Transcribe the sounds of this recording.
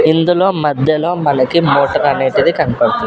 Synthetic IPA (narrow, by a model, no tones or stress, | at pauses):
ind̪ulo̞ːmɐd̪ʱjɐlo̞ːmɐnɐkimoːʈɐɾɐneːʈid̪ikɐnɐpɐɽɐt̪un